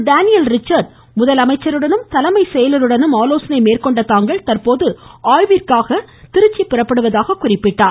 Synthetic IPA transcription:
ɖaːnɪjɐlɾɪt͡ʃːɐɾɖ | mʊðɐlɐmɐɪt͡ʃːɐɾɯɽɐnɯmt̪ɐlɐmɐɪsɛjɐlɐɾɯɽɐnɯmaːloːsɐnɐɪmeːrkɔɳɖɐt̪ːaːŋɡɐɭt̪ɐrpoːðɯaːjʋirkaːɣɐt̪ɪɾɯt͡ʃːipːɪrɐpːɐɽɯʋɐðaːɣɐkʊrɪpːɪʈːaːɾ

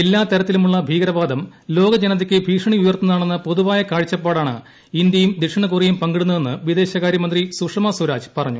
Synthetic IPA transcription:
elːaːt̪ɐɾɐt̪ːilumuɭːɐbʱiːɡɐɾɐʋaːd̪ɐmlo̞ːɡɐd͡ʑenɐt̪̬ːɐkʲːɨbʱiːʂɐɳiujɐrt̪ːɐnɐðaːɳenːɐpo̞ðuʋaːjɐkaːɻit͡ɕːɐpːaːɽaːɳɨ̰ | ind̪jɐjumd̪iʂɐɳɐkurijumpɐŋɡiɽunːɐe̞nːɨʋid̪e̞ːɕɐɣaːɾjɐmɐnd̪risukʂɐmɐsɐɾaːd͡ʑpɐrɐɲːu

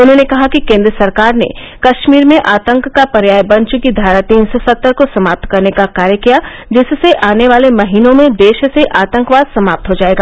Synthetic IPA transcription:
ʊnɦõnekɐɦakikẽːnd̪ɾəsɐɾkaːɾnḛ | kɐʃmiːɾmẽʔaːt̪ə̃ŋkːapɐɾjaːjbɐ̃nt͡ʃkid̪ʱaːɾat̪iːnsosɐt̪ːəɾkosɐmaːp̚t̪kɐɾnekakaːɾjəkija | d͡ʒɪsseʔaːneʋaːlemɐɦiːnõmẽd̪eːʃseʔaːt̪ə̃ŋkʋaːd̪sɐmaːp̚t̪ɦod͡ʒaːeːɡaː

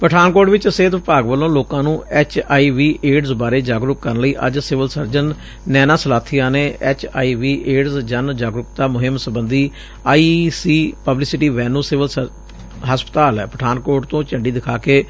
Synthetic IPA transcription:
pəʈʰaːnkoːʈʋɪt͡ʃseːt̪ʋɪpaːɡʋəlːõːloːkãːnũːɛːt͡ʃaːiːʋiːeːɖzbaːɾeːd͡ʒaːɡɾʊkːəɾənləiːʔə̰d͡ʒsɪʋəlsəɾd͡ʒənː | ɛːnaːsəlaːt̪ʰiːaːneːɛːt͡ʃʰa̰ːiːʋiːʔeːɖzd͡ʒənd͡ʒaːɡɾʊkt̪aːmʊɦɪmsəbənd̪iː | aːisiːpəblɪsɪʈiːʋɛːnuːsɪʋəlsə | ɦəspət̪aːlɛːpəʈʰaːnkoːɾʈt̪õːt͡ʃəɳɖiːd̪ɪkʰaːkeː

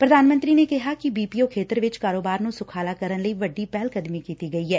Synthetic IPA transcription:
pɾəd̪ʱaːnmə̃nt̪ɾiːnekɪɦaːkibiːpiːoːkʰeːt̪əɾʋɪt͡ʃkaːɾoːbaːɾnũːsʊkʰaːlaːkəɾənləiːʋəɖːiːpɛːlkəd̪mikiːt̪iːɡɐiːɦɛː

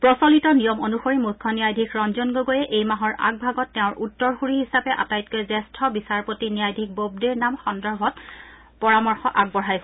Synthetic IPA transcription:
pɹɔsɔlitɔnijɔmonuxoɹimukʰːɔnijajdʱikʰɹɔnzɔnɡoɡojɛʔejmaɦɔɹʔa̰ɡ̚bʱaɡɔtːɛʊ̃ɹʔutːɔɹxuɹiɦisapɛʔa̰tajt̚kɔjzɛstʰɔbisaɹpotinijajdʱik̚bob̚deɹnamxɔndɔɹbʱɔt | pɔɹamɔɹxɔʔaɡ̚bɔɹ̤ajsɛ

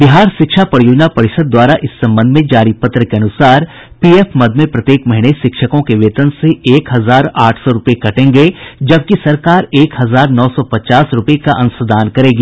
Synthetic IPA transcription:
bɪɦaːɾʃɪkʃapɐɾjoːd͡ʒnapɐɾɪʃəd̪ːwaːɾaʔɪsːɐ̃mbə̃nd̪ʱmẽd͡ʒaːɾipɐt̪ɾəkeɐnʊsaːɾ | piːeːpmɐd̪ʱmẽpɾɐt̪jeːkmɐɦɪneʃɪkʃəkõkeʋeːt̪ənseeːkɦɐzaːɾaːʈʰsɔɾʊpekɐʈẽːŋɡed͡ʒɐb̚kisɐɾkaːɾeːkɦɐzaːɾnɔːsɔpɐt͡ʃaːsɾʊpekaʔɐ̃nʊsəd̪aːnkɐɾẽːɡi

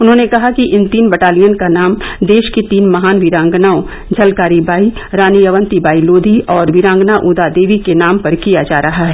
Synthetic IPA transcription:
ʊnɦõnekɐɦakiʔɪnt̪iːnbɐʈaːlijənkanaːmd̪eːʃkit̪iːnmɐɦaːnʋɪɾãːŋɡnaːõ | d͡ʒʱɐlkaːɾibaːiɾaːnijɐʋə̃nt̪ibaːiloːd̪ʱiʔɔːɾʋɪɾãːŋɡnaʔuːd̪ad̪eːʋikenaːmpɐɾkijad͡ʒaːɾɐɦaɦɛː

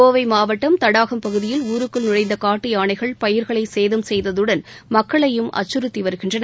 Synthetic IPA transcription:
oːʋɐɪmaːʋɐʈːɐmt̪ɐɽaːɣɐmpɐɣɯðɪjɪluːɾɯkːɯɭnɪrɐɪnd̪ɐkaːʈːɯjaːɳɐɪɣɐɭpɐjɪɾɣɐɭɐɪseːðɐmsɛjðɐðɯɽɐn | mɐkːɐɭɐjɯmʔɐ̰t͡ʃːɯɾɯt̪ːiʋɐɾɯɣɪndrɐnɐ

